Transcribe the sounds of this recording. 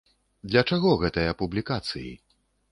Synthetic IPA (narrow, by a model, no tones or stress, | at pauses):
d̪lʲɐt͡ʂaɣɔɣɛt̪ɨjɐpublʲikat̪sɨjḭ